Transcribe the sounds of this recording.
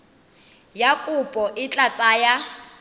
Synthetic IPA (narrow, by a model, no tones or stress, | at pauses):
jakʼʊpʼɔʔɪt͡ɬʼat͡sʼaːja